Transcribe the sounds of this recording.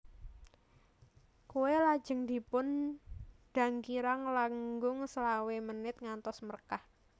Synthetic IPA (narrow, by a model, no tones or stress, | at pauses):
kuwelḁd͡ʒ̥ə̤ŋd̪i̤pʊn | ɖ̥a̤ŋkiɾaŋlaŋɡʊŋsəlawemənɪt̪̚ŋant̪ɔsmərkah